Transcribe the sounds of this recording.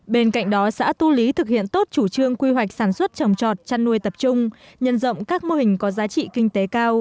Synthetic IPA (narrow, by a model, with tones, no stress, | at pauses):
ɓe˧nka̰˧˨jŋ̟ɗɔ˨˦sa̰ː˧˥t̪u˧li˨˦t̪ʰɨ˨˩k̚hḭ˧˨ənt̪o˦˥t̚t͡ɕu˧˩t͡ɕɨ˧əŋkwi˧ɦwa˨˩jk̟̚saː˧˩nswə˦˥t̚t͡ɕə˨˩wŋ͡mt͡ɕɔ̰˨˩t̚t͡ɕa˧nːu˧əjt̪ə˨˩p̚t͡ɕʊ˧ŋ͡m | ɲə˧˩nzə̰˧˨wŋ͡mkaː˦˥k̚mo˧hï˨˩ŋ̟kɔ˨˦zaː˨˦t͡ɕḭ˧˨kï˧ŋ̟t̪e˨˦kaː˧w